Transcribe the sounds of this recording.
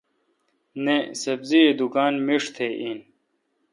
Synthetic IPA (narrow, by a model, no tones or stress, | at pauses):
nesɐbzied̪ukaːnmiʂt̪ʰeʔin